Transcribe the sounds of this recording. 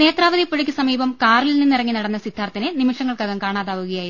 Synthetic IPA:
ne̞ːt̪raːʋɐðipːoɻikʲːɨsɐmiːbɐmkaːɾɐlilninːirɐŋːinɐɽɐnːɐsid̪ʱaːrt̪ːinenimɐʂɐŋːɐɭkɐɣɐmkaːɳaːðaːʋuɣɐjaːji

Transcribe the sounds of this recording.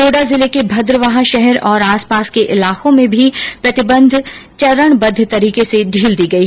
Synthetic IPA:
oːɖazɪlekebʱɐd̪ɾəʋaɦaʃɛɦɛɾɔːɾaːspaːskeʔɪlaːkõmẽbʱipɾɐt̪ɪbə̃nd̪ʱ | t͡ʃɐɾəɳ̃bɐd̪ʱːt̪ɐɾiːkeseɖʱiːld̪iːɡɐiː

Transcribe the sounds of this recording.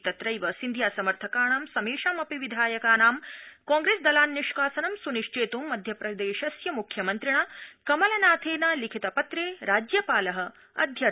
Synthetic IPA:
t̪ɐt̪ɾɐjʋɐsind̪ʱjaːsɐmɐɾt̪ʰɐkaːɳaːmsɐmeːʂaːmɐpiʋid̪ʱaːjɐkaːnaːmkaːŋɡɾeːsd̪ɐlaːnːiʂkaːsɐnɐmsuniʂt͡ʃeːt̪uːmːɐd̪ʱjɐpɾɐd̪eːʃɐsjɐmukʰjɐmɐnt̪ɾiɳaːkɐmɐlɐnaːt̪ʰeːnɐlikʰit̪ɐpɐt̪ɾeːɾaːd͡ʒjɐpaːlɐɦɐ̆ | ɐ̰d̪ʱjɐ

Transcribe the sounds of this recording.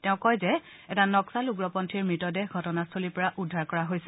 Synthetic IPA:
tɛʊ̃kɔjzɛ | ɛtanɔksaluɡɹɔpɔntʰiɹmɹitɔdɛɦɡʱɔtɔnastʰolipɔɹaʔudʱːaɹkɔɹaɦojsɛ̥

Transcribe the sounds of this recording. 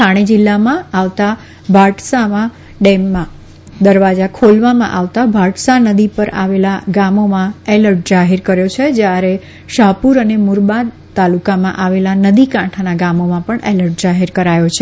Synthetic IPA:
tʰaɽ̃ed͡ʒɪlːamãaʋt̪a | bʱaʈsamã | ɖɛmːã | d̪əɾʋad͡ʒakʰolʋamã̰ʔaʋt̪abʱaʈsanəd̪ipəɾa̰ʋelaɡamomãeləɾʈ̚d͡ʒaɦeɾkəɾjot͡ʃʰed͡ʒjaɾe | ʃapuɾənemuɾba | t̪alukamã̰ʔaʋelanəd̪ikãʈʰanaɡamomãpəɳeləɾʈ̚d͡ʒaɦɛɾkəɾajot͡ʃʰe

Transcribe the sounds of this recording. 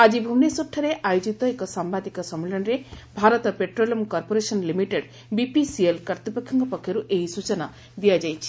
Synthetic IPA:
ad͡ʒibʱumnesɔʈʰːɔɾeʔajud͡ʒit̪ɔekɔsambad̪ikɔsɔmːelɔnɾebʱaɾɔt̪ɔpeʈɾolɔmkɔɾpoɾesɔnlimiʈeɖ | bipisielkɐɾt̪ipɔkʰjɔŋkɔpɔkʰːjɔɾuʔeɦisut͡ʃɔna | d̪ijad͡ʒajt͡ʃʰi̥

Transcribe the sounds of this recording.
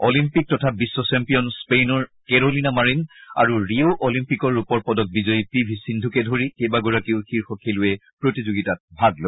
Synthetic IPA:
ɔlimpik̚tɔtʰabisːɔsɛmpijɔnspenɔɹkɛɹolinamaɹina̰ɹuɹioʔɔlimpikɔɹupɔɹpɔdɔk̚bizɔjipibʱisindʱukɛdʱoɹikejbaɡɔɹakiʊxiɹxɔkʰilʊɛpɹotizoɡitat̚bʱaɡlo

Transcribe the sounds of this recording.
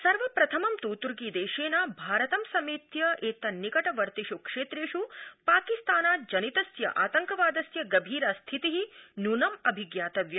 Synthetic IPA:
sɐɾʋɐpɾɐt̪ʰɐmɐmt̪uːt̪uɾɡiːd̪eːʃeːnaːbʱaːɾɐt̪ɐmsɐmiːt̪jɐʔeːt̪ɐnikɐʈɐʋɐɾt̪iʃukʂeːt̪ɾeːʃupaːkist̪aːnaːd͡ʒɐnit̪ɐsjɐ̰ʔaːt̪ɐŋkɐʋaːd̪ɐsjɐɡɐbʱiːɾɐst̪ʰit̪iɦinunɐmɐbʱiɡjaːt̪ɐʋjɐ

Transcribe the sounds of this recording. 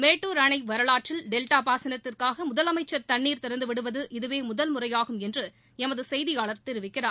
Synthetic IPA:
meːʈːuːɾɐɳɐɪʋɐɾɐɭaːʈrɪlɖɛlʈaːpaːsɪnɐt̪ːɪrkaːɣɐmʊðɐlɐmɐɪt͡ʃːɐɾt̪ɐɳːiːɾt̪ɪɾɐnd̪ɯʋɪɽɯʋɐðɯʔɪðɯʋeːmʊðɐlmʊrɐjaːɣɯmɛndrɯ | ɛmɐðɯsɛjðɪjaːɭɐɾt̪ɪɾɯʋɪkːɪraːɾ

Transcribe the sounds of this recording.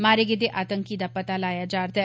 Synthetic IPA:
maːɾeɡɪd̪eʔaːt̪ə̃ŋkid̪apɐt̪alaːjad͡ʒaːɾt̪aɛ

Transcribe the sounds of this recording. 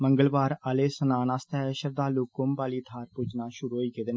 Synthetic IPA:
məŋɡəlbaːɾəleːsənaːnaːst̪ɛːʃəɾd̪aːluːkʊmpaːliːt̪ʰaːɾpud͡ʒnaːʃʊɾuːɦoːiːkeːd̪n

